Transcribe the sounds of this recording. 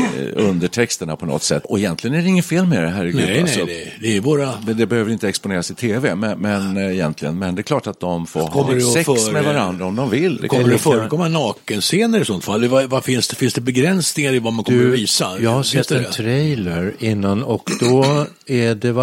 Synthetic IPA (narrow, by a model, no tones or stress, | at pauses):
ɵnd̪əʈʰɛkst̪əɳapʰɔnɔ̰t̪ːsɛ̰t̪ːɔɛjɛnt̪lɪɡənæɖɛɪŋːənfeːlmeɾɛɦæɾɪɡnɛasɔd̪ɛd̪ɛːvoːɾamɛnd̪ɛbɛhøːvəɾɪnt̪əɛkspʊneːɾasɪt̪ʰeːvɛmɛmɛnɛjɛnt̪ʰlɪɡə̰nmɛnd̪ɛkʰlɑːʈat̪̚d̪ɔmfoɾkɔmːəɖsɛsmɛvaɾand̪ɾaɔmd̪ɔmvɪlːd̪ɛ̰kʰɔaːədɛfœːɾəkɔmːanɑːkənseːnəɾɪt̪sɔnt̪falːɛvavafɪnsɛfɪnsd̪ɛbɛɡɾɛnsnɪŋaɾɪvamankɔməɾviːsajɑhasɛt̪ːɛnt̪ʰɾɛjləɾɪnːanɔkd̪ɔ | æɖɛ